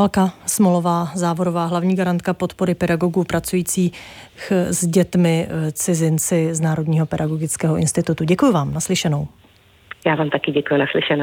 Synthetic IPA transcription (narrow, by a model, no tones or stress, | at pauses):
alkasmolo̞vaːzaːvo̞ɾovaːɦlavɲiːɡaɾant̪̚kapo̞t̪poɾɪpɛdaɡo̞ɡuːpɾat͡sujiːt͡siː | xzɟɛt̪mɪt͡sɪzɪnt͡sɪznaːɾo̞dɲiːɦo̞pɛdaɡo̞ɡɪt͡skɛːɦo̞ʔɪnst̪ɪt̪ut̪uɟɛkujʊvaːmnaslɪʃɛno̞w | jaːvaːmt̪akɪɟɛkujʊnaslɪʃɛno